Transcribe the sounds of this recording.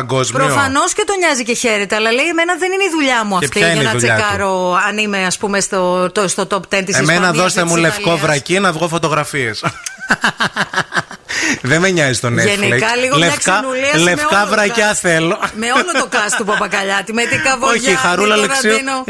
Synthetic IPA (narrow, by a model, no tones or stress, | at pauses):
ɐɡozmpɾoifɐno̞sce̞t̪o̞ɲɐzice̞çe̞ɾet̪eɐlɐleieme̞nɐðe̞nineiðuʎɐmuɐtp̪çɐiɐninɐðut͡sʎeɐkɐɾoɐnimeɐspumest̪ot̪ost̪ot̪opt̪ent̪isseismenɐðo̞st̪emulefkovɾɐcinɐvɣofot̪o̞ɣɾɐfies | ðemeɲɐzist̪oneenikɐliɣoleɐfskɐnuliɐlefkɐvɾɐcɐθelomeolot̪okɐst̪upɐpɐkɐʎɐt̪imet̪ikɐvooçixɐɾulɐlesɐino